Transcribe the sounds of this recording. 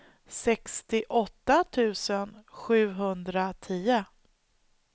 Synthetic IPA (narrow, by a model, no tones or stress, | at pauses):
sɛkst̪ɪʔɔt̪ːat̪ʰʉ̟ːsənɧʉ̟ːɦɵnd̪ɾat̪ʰiːə